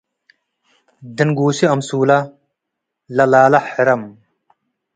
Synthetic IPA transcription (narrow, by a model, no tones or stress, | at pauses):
d̪inɡuːsiɐmsuːlɐ | lɐlaːlɐħeɾɐm